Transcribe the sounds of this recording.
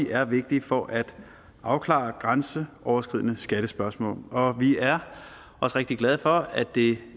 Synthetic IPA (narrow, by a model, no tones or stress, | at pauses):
iʔæɐʋe̝ɡ̥̚d̥ifɒʔæd̥ | ʔɑ̈ʊkʰlɑ̰̈ːɐɡ̥ʁɑnsəʔɒʊɐsɡ̥ʁið̞̰ˠnəsɡ̥æɾ̥əsb̥ɶɐsmɔ̰ːlɒ̽ʋiæɐ | ʔɒ̽sʁeɡ̥̚d̥iɡ̥læð̞̩ˠfɒ̽æd̥e̝